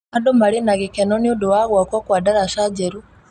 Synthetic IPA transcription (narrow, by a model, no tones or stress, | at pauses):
adomaɾenaɣekɛnɔniodowaɣwakɔkwaːdaɾaʃad͡ʒeɾu